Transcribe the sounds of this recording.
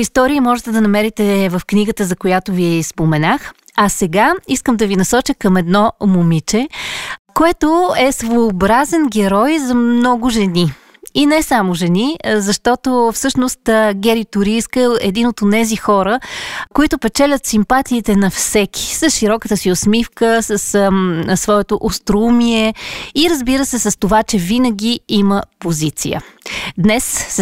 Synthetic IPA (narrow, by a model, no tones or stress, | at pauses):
ist̪ɔɾiəmɔʒɛt̪ɛd̪ɐnɐmɛɾit̪ɛvɐfkniɡət̪əzɐkojat̪oviɛspomɛnax | ɐsɛɡaiskəmd̪ɐvinɐsɔt͡ʃəkɐmɛd̪nɔmʊmit͡ʃɛ | koɛt̪oɛsvoːbɾazɛnɡɛɾɔjzɐmnɔɡʊʒɛni | inɛsamʊʒɛnizɐʃt̪ɔt̪ofsɤʃnʊst̪ɡɛɾit̪ʊɾiskəɛd̪inot̪onɛzixɔɾəkoit̪ʊpɛt͡ʃɛlʲət̪simpat̪iːt̪ɛnɐfsɛkʲi̥səsʃiɾɔkət̪əsiosmifkəsəssːvɔɛt̪oʔost̪ɾumiɛiɾəzbiɾəsɛsɐst̪ovat͡ʃɛvinəɡ̟ʲiiməpozit̪sḭjə̰d̪nɛs